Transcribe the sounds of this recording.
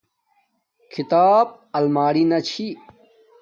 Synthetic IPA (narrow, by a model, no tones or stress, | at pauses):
kʰit̪aːb̚ | ɐlmaːɽinɐt͡ɕʰi